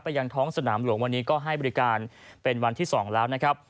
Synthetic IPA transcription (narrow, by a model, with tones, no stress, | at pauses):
pa˧ja˧ŋt̪ʰɔː˦˥ŋsa˧naː˩˦mlu˩˦əŋwa˧nːiː˦˥kɔː˥˩ɦa˥˩jbɔ˧ɾi˦˥kaː˧npe˧nwa˧nt̪ʰiː˥˩sɔː˩˦ŋlɛː˦˥wna˦˥kʰɾa˦˥p̚